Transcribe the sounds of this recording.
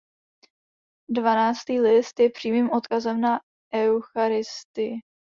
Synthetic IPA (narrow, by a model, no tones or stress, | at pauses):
dvanaːt͡st̪iːlɪst̪jɛpr̝̥iːmiːmʔo̞t̪kazɛmna | ʔɛwxaɾɪst̪ɪ